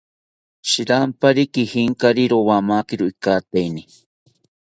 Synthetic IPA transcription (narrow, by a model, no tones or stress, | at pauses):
ʃiɾampaɾikihiŋkaɾiɾowamakiɾoikat̪eini